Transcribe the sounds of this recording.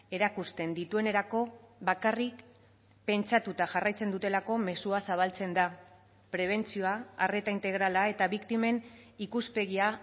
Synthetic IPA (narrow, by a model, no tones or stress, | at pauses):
e̞ɾakust̪e̞nd̪it̪ue̞ne̞ɾako̞βakarik | pe̞nt͡ʃat̪ut̪aʝarajt͡se̞nd̪ut̪e̞lako̞me̞suasaβ̞alt͡se̞nd̪a | pɾe̞β̞e̞nt͡sioaare̞t̪aint̪e̞ɣ̞ɾalae̞t̪aβikt̪ime̞nikuspe̞ɣia